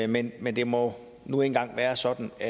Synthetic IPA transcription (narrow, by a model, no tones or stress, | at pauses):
menmend̥e̝mɒ̽ | nuenɡ̥ɑ̈ŋ̰ʋæːɐsɒ̽d̥n̩æ